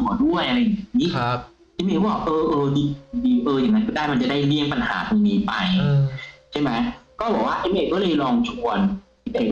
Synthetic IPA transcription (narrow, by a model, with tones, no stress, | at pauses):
du˥˩əjʔa˧ɾa˧jniː˦˥˦ | ʔeː˦˥mʔe˧kːɔ˨˩kʔɤː˧ʔɤː˧diː˧diː˧ʔɤː˧ja˨˩na˦˥kɯ˥˩daː˥˩jma˧nt͡ɕa˨˩daː˥˩jli˥˩əŋpa˧nha̰ː˩˦tʰu˧miː˧pa˧j | t͡ɕʰa˥˩jma˦˥jkɔː˥˩bɔː˨˩k̚waː˥˩ʔe˦˥mʔeː˧˩kɔː˥˩lɤː˧jlɔː˧ŋt͡ɕʰu˧ənʔe˦˥ʔeː˧˩